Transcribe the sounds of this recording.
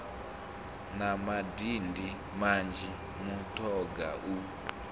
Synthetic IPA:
namadindi | mand͡ʒi | mutʰɔɡa̰ʔu

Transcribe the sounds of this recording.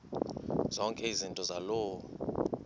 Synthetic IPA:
z̥ɔŋkʼɛizintʼɔzaloː

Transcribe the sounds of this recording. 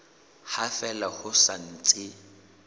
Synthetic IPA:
hafɛlahʊsan̩t͡sʼɪ

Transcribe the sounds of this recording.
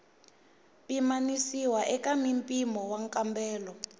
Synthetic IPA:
pʼimanisiwaʔɛkʼamimpʼimɔwaŋkʼambɛːlɔ

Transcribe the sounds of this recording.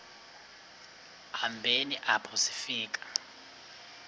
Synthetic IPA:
hambʱeniʔapʰɔsi̥fiːkʼḁ

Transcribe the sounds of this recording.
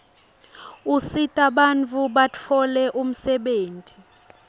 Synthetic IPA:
usitʼaɓant͡fʰuɓat͡fʰɔlɛʔum̩sɛɓeːntʼi

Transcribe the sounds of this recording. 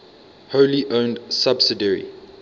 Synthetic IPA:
hoʊliʔõʊ̃ndsabsɪdəɹḭ

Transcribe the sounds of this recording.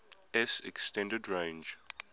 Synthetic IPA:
ɛsɛkstɛ̃ndədɹẽnd͡ʒ

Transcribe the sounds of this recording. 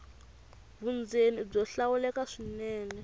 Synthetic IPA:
vund͡zenib͡ʐɔɬawulɛkaʂinɛːnɛ

